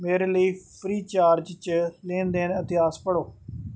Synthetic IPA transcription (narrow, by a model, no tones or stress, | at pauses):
meːɾeːləiːpʰɾiːt͡ʃaːɾd͡ʒt͡ʃlẽːnd̪eːnət̪ɪaːspəɽoː